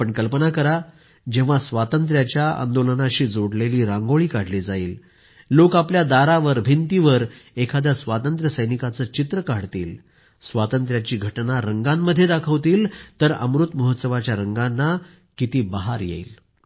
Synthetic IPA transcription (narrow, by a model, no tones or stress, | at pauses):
pəɳkəlpənakəɾa | d͡ʑeʋ̤asʋat̪ənt̪ɾjat͡ɕjaa̰nd̪olənaɕiːd͡zoɽleliːɾaŋɡoɭiːkaɽ̤lid͡zaiːlː | okapljad̪aɾaʋəɾbʱint̪iʋəɾekʰad̪jasʋat̪ənt̪ɾəsəjnikat͡səːt͡ɕit̪ɾəkaɽt̪ḭːl | sʋat̪ənt̪ɾjat͡ɕiːɡʱəʈnaɾəŋɡamːəd̪ʱːjed̪akʰəʋt̪iːlt̪əɾə̰mɾut̪məɦət̪səʋat͡ɕjaɾəŋɡanːa | kit̪iːbəɦaɾjḛḭl